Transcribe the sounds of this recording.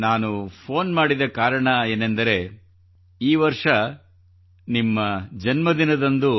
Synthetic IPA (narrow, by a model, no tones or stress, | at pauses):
naːnupʰoːnmaːɽid̪ɐkaːɾɐɳɐe̞ːnend̪ɐɾe̞ | iːʋɐɾʂɐ | nimːɐd͡ʒɐnmɐd̪inɐd̪ɐnd̪u